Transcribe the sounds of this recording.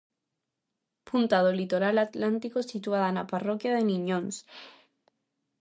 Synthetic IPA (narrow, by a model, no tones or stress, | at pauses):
punt̪aðolit̪oɾalat̪lant̪ikosit̪waðanaparokjaðenĩɲõns